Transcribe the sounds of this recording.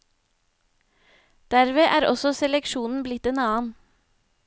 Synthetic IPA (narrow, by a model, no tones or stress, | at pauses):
d̪̥æɾʋeːʔæːɾʔɔsɔsɛlɛkʃuːnn̩blɪt̪enɑːn